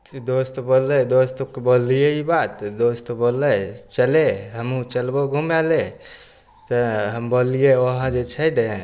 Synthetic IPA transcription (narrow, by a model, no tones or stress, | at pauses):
d̪ost̪bolːɛd̪ost̪okebolijeibat̪d̪ost̪obolːət͡ʃəleɦəmũt͡ʃəlbɔɡʱumɛle | t̪əɦəmbolijeoɦə̃d͡ʒet͡ʃʰəjdẽ